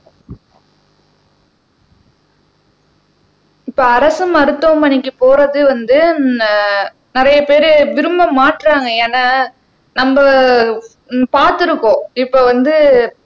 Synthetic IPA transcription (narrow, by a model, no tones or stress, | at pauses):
ɪpːoːɐɾɐsɯmɐɾɯt̪ːombɐɳɪkːɯpoːɾɐðɯʋɐnd̪ɯ | nɪɾɐjɐpeːɾɯʋɪɾɯmbɐmːaːʈɾaːŋɡɐeːnaː | nɐmbɐ | paːɾt̪ɯɾɯkːõːɪpːoːʋɐnd̪ɯ